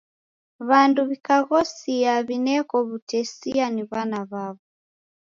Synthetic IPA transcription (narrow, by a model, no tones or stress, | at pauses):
βanduβikaɣɔsiaβinɛkɔβutɛsianiβanaβaβɔ